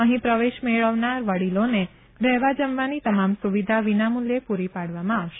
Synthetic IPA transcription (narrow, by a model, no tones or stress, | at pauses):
əɦĩpɾəʋeʃmeɭəʋnaɾʋəɽilone | ɾɛɦʋad͡ʒəmʋanit̪əmamsuʋid̪ʱaʋinamuljepuɾipaɽʋamãaʋʃe